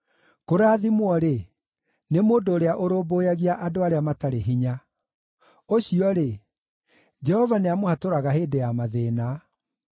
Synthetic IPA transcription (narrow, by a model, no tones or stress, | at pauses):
koɾaːðimwɔɾe | nemoːndoːɾeaʔoɾoːboːjaɣiaʔadoaɾeamataɾeɦiɲa | oɕiɔɾe | d͡ʒɛhɔvaneamohatoɾaɣaɦeːdejamaðeːna